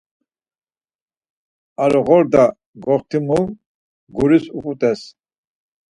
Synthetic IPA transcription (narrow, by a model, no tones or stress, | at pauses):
aɾɔʁɔɾd̪a | ɡɔχt̪ʰimu | ɡuɾisupʼut̪ʼɛs